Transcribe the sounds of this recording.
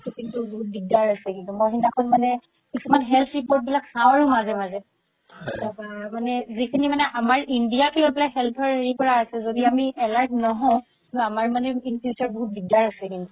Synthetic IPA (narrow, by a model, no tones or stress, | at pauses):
kintuboɦut̚biɡ̚daɹasɛkintumɔjɦindakʰonmanɛ | kisumanɦɛlt̪ʰɹipoɹt̚bilaksãw̃aɹʊmazɛmazɛ | akamanɛzikʰinimanɛʔamaɹindijakʰilɔbilakɦɛlt̪ʰɔɹeɹikɔɹaːsɛzodiamiʔɛlaɹknɔɦɔ̃kkituamaɹmanɛinpʰjut͡ʃaɹboɦut̚biɡ̚daɹasɛkintu